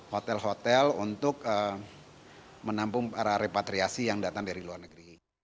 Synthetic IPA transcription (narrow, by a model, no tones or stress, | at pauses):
hot̪ɛlɦot̪ɛlṵnt̪ʊk̚ə | mənampʊŋpaɾaɾepat̪ɾiasijaŋdat̪aŋdaɾiluarnəɡɾi